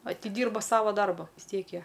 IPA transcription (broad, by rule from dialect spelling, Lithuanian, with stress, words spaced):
ɐtʲɪˈdʲiːrbɐ ˈsɑːʋɐ ˈdɐrbɐ ʋʲɪs ˈtʲiɛk ˈjiɛ